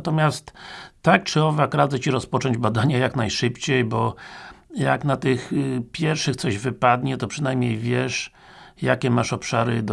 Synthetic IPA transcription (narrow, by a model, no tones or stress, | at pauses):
t̪ɔmʲjast̪ːak̚t͡ʂɘɔvakɾad̪zɛt͡ɕiɾɔspɔt͡ʂɔ̃ɲd͡ʑbad̪aɲajaknajʂɘpt͡ɕejbɔ | ja̰knat̪ɪxpʲjɛɾfʂɘxt̪sɔʑvɘpad̪ɲɛt̪ɔpʂɨnajmɲejvʲjɛʂ | ja̰kʲɛmaʂɔpʂaɾɘd̪